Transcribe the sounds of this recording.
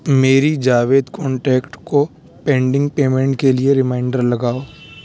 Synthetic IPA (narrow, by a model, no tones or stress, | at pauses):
meːɾid͡ʒaːʋeːd̪kɔ̃ːɳʈɛːkʈko | pɛ̃ːɳɖɪ̃ŋɡ̚peːmẽɳʈkelieɾɪmaːɪɳɖəɾlɐɡaːoː